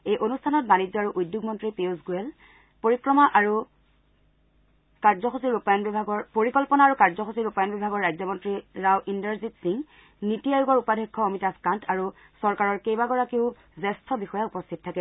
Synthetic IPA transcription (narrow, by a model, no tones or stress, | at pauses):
ejʔonustʰanɔt̚banid͡ʑɔaɹuʔujdjuɡmɔntɹipezɡuɛl | poɹikɹɔmaʔaɹu | kaɹzɔxusiɹupajɔnbibʱaɡɔɹpoɹikɔlpɔnaaːɹukaɹzɔxusiɹupajɔnbibʱaɡɔɹːajzɔmɔntɹiɹawʔindəɹzitsiŋ | nitijajuɡɔɹupadʱɔkʰːɔomitaskantʰaɹu | sɔɹkaɹɔɹkejbaɡɔɹakeʊ | zɛstʰɔbixɔjaupɔstʰitɔtʰakɛ